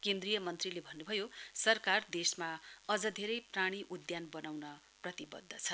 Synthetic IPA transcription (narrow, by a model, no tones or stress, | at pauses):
kend̪rijʌmʌnt̪rilebʱʌnːubʱʌjosʌrkard̪esmaʌd͡zʌd̪ʱeɾʌjpraɽ̃iʔud̪janbʌnawnʌ | prʌt̪ibʌ̰d̪ʱːʌt͡sʰʌ